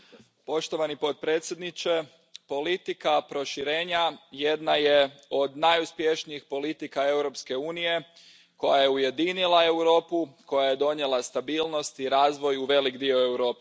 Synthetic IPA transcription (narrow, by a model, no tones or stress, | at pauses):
po̞ʃt̪o̞ʋanipo̞t̪̚pɾeːt̪sʲje̞d̪nit͡ʃe | po̞lit̪ikapɾo̞ʃiɾe̞ːɲajed̪najeo̞d̪najuspje̞ʃnijixpo̞lit̪ikae̞wɾo̞pske̞uːnije̞ | ko̞̰jaje̞uje̞d̪inilˠae̞wɾo̞ːpuko̞jaje̞d̪o̞ɲe̞last̪abiːlˠno̞st̪iɾaːzʋo̞juʋe̞likd̪io̞e̞wɾo̞ːpe